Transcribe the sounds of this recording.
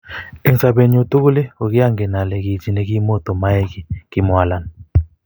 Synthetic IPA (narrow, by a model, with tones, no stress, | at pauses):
e˨nsa˨be˨ɲo˨tu˦ku˦le˦o˨ki˦a˦ŋɡɛ˨na˨le˨ki˨d͡ʒi˨ne˨ki˦mo˦˨tɔ˨ma˦e˦ki˨ki˦mwa˨la˨n˨